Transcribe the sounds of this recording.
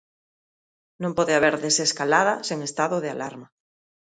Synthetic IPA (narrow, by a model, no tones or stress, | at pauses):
nõmpoðeaβ̞eɾðeseskalað̞aseŋest̪aðoðealaɾma